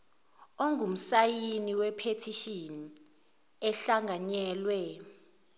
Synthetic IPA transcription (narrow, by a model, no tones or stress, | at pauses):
oŋʱum̩sajiniwɛpʰetʰiʃini | ɛɬaŋʱaɲɛːlwɛ